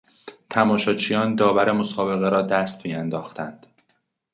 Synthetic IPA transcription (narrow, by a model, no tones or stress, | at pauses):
t̪ʰæmɒːʃɒːt͡ʃʰijɒːnd̪ɒːvæɾe̞mo̞sɒːbe̞ɣe̞ɾɒːd̪æst̪miːænd̪ɒːxt̪ʰænd̪̥